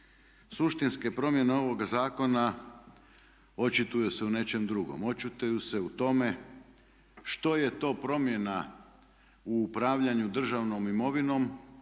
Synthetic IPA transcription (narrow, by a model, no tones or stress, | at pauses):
suʃt̪inskepɾo̞mje̞neo̞ʋo̞ɡazaːko̞na | o̞t͡ʃit̪ujuse̞une̞t͡ʃe̞md̪ɾuɡo̰mo̞t͡ʃut̪ujuse̞ut̪o̞me̞ | ʃt̪o̞je̞t̪o̞ːpɾo̞mje̞na | uːpɾaːʋʎaɲud̪r̩ʒaʋno̞mimo̞ʋino̞m